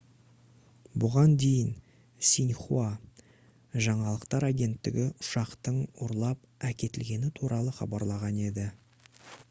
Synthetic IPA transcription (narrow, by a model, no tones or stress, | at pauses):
bʊʁɑnd̪e̞jɪn | sʲinχua | ʒɑɴɑlˠəqt̪ɑɾaɡʲe̞nt̪ːɪ̰ɡʲɪʔʊ̥ʃɑqt̪əɴoɾlˠɑp̚ | ækʲe̞t̪ɪlɡʲe̞nɪt̪ʰuɾʔɑlˠəχɑ̰bɑɾlˠɑʁɑne̞d̪ɪ